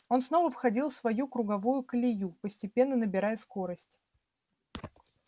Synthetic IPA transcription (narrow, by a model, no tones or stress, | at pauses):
o̞nsno̞vəfxɐdʲilˠfsvɐjukɾʊɡɐvujʊkəlʲɪjupəsʲtʲɪpʲe̞nːənəbʲɪɾajəsko̞ɾəsʲtʲ